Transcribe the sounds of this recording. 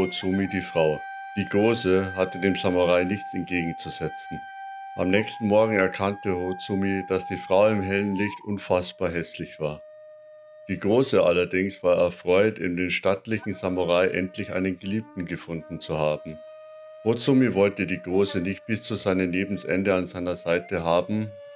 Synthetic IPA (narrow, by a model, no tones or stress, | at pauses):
ot͡sumidiːfʁ̥aʊ | d̥iːɡʁoːzəhatədeːmzamuʁ̞aɪnɪçt͡sɛnt̚ɡ̥eːɡŋ̩t͡suzɛt͡sn̩ | ʔa̰mnɛːçstn̩mɔɐɡŋ̩ɛɐkʰantəhot͡sumid̥asd̥iːfʁ̥aʊɪmɦɛlənlɪçtʔʊnfasb̥aːɐɦɛslɪçv̥aːɐ | d̥iːɡʁoːsəʔalɐdɪŋsv̥aːɐɛɐfʁ̥ɔʏtɪ̰ndeːnʃtatlɪçn̩z̥amuʁaɪʔɛ̰ntlɪçʔa̰ɪnənɡəliːp̚tn̩ɡəfʊndn̩t͡suhaːbm̩ | hot͡sʊmivɔltədiːɡʁoːsənɪçt̚b̥ɪst͡suːzaɪnəneːbm̩sʔɛ̰ndəanzaɪnɐzaɪtəɦaːbm̩